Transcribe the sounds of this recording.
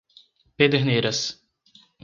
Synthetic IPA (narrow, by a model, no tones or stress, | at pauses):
ped̪eɾnejɾɐs